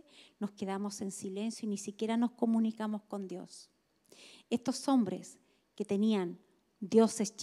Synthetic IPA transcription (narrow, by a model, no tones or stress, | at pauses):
no̞skeðamo̞se̞nsile̞nsjoinisikʲje̞ɾano̞sko̞munikamo̞sko̞nd̪jo̞̰s | est̪o̞so̞mbɾḛs | ket̪e̞nian | d̪jo̞sest͡ʃ